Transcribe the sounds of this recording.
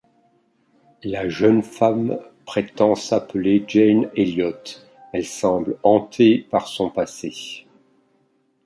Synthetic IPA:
laʒənfampχet̪ɑ̃sapled͡ʒɛneljɔt̪ | ɛlsɑ̃blɑ̃t̪ʰepaʁsɔ̃pase

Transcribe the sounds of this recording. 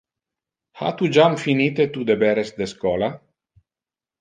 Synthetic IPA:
ha̰t̪ud͡ʒamfinit̪et̪ud̪ebeɾesd̪eskoːla

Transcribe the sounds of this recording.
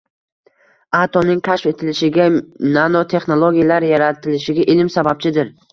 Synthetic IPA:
at̪ʰɒnɪŋkʲʰaʃfe̞t̪ʰɪlɪʃɪɡʲananot̪ʰe̞χnolˠoɡʲijalaɾjaɾat̪ʰɪlɪʃɪɡʲaʔɪlɪmsabap̚t͡ʃʰɪd̪ɪɾ

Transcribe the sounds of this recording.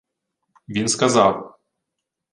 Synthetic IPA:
vʲinskazaw

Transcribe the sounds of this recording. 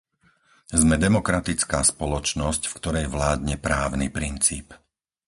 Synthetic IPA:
zmɛd̪ɛmɔkɾat̪it͡skaːspɔlɔt͡ʃnɔscfkt̪ɔɾɛjʋlaːd̪ɲɛpɾaːʊnipɾint͡siːp

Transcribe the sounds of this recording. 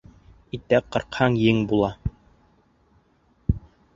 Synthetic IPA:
it̪æqɤ̆ɾqhɑŋjɘŋbulˠɑ

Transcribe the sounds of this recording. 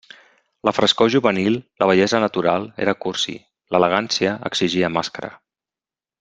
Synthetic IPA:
ləfɾəskoʒuβənilˠləβ̞əʎɛzənət̪uɾalˠḛɾəkuɾsḭ | lələɣansiəə̰ɡziʒiəmaskəɾə̰

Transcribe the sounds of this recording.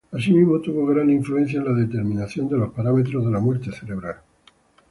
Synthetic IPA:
as̬imizmo̞t̪uβo̞ɣɾaniɱflue̞n̟θjaenlaðe̞t̪e̞ɾmĩnaθjo̞nd̪e̞lo̞spaɾame̞t̪ɾozð̞e̞lamweɾt̪eθe̞ɾe̞β̞ɾal

